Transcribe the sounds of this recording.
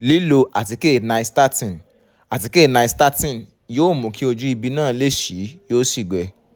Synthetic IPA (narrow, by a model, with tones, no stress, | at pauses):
li˦lo˧ʔa˨ti˧ke˦˨nã˧i˧sta˦tĩ˨ | a˨ti˧ke˦˨nã˧i˧sta˦tĩ˦n | joː˦˨mũ˨ki˦o˧d͡ʒu˦i˧bi˧nãː˦˨le˦˨ʃi˨˦jo˦si˦˨ɡ͡bɛ˨˧